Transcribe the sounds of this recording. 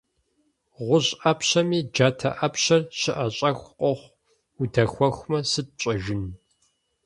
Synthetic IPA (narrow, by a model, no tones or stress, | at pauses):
ʁʷʊʑʼɐpɕɐmiːd͡ʒaːtʰɐ̰ʔɐpɕɐrɕɪʔɐɕʼɐxʷqʷʼɔχʷ | udɐxʷɔxʷmɐsɨt̚t͡ʃʼɐʒɪn